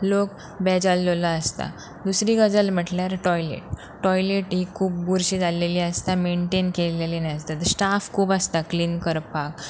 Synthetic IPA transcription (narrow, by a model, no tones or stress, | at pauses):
lok | bɛd͡ʑalːolaəst̪a̰ | d̪usɾiɡəd͡zəlm̤əʈljaɾʈɔjlḛʈ̚ː | ɔjleʈɦiːkʰuːp̚buɾɕid͡zaleliəst̪ameɳʈenkelelinaəst̪at̪əsʈafkʰuːpast̪akliːnkəɾpak̚